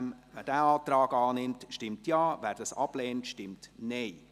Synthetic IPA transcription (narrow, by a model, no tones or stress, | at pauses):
mvæːdæːɑːtrɑːɡɑːnɪmtʃtɪmtjaːvæːɾd̥ɑsɑbleːntʃtɪmtneː